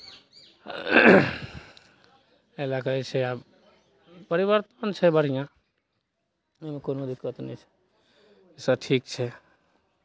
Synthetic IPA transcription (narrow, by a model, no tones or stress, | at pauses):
elakəit͡ʃʰea | pəɾibəɾt̪ənt͡ʃʰɛbəɽ̤ijã | emẽkoːnod̪ɪkːət̪nĩt͡ʃʰe̥ | esaʈʰiːkt͡ʃʰɛ